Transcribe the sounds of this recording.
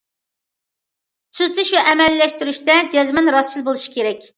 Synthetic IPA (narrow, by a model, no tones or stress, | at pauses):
syzt̪ʰyʃvɛʔɛmɛlːɛʃt̪yɾyʃt̪ɛd͡ʒɛzmɛnɾɑst͡ʃilˠbolˠuʃi̥kʲeɾɛkʲ